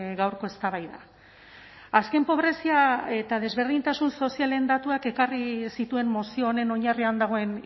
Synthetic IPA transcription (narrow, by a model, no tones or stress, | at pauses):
ɣawɾko̞e̞st̪aβajða̰ | aske̞mpo̞β̞ɾe̞siae̞t̪að̞e̞zβe̞ɾð̞iɲnt̪asunso̞siale̞nd̪at̪uake̞karisit̪ue̞mmosio̞ːne̞no̞ɲariand̪aɣ̞o̞e̞n